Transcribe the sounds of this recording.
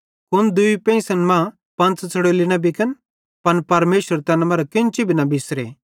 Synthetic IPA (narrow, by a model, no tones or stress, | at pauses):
kʊnd̪ʊipɛ̃ĩsɐnmã | pɐ̃nt͡st͡sʰɐɽoːlinɐbɪkən | pɐnpɐɾmeːʃəɾt̪ɛːnmɐɾɐkɪ̃nt͡ʃibʱinɐbɪsɾḛː